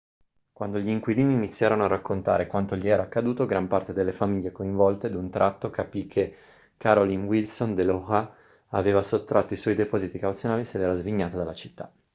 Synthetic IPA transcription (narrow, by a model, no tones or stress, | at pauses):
kwand̪oʎiːŋkwiliːniːnit̪sːjaːɾanoarːakːont̪a̰ːɾekwant̪oʎiɛːɾaːkːad̪uːt̪oɡɾampart̪ed̪elːefamiʎːekoiɱvɔlt̪ed̪unt̪ɾʔat̪ːokapikʰːe | kaɾolinwilsond̪eloʁa | aveːvasot̪ːɾʔat̪ːoiswɔjd̪epɔːzit̪ikawut̪sjonaːlised̪ɛːɾazviɲːaːt̪ad̪alːat͡ʃi̥t̪ːa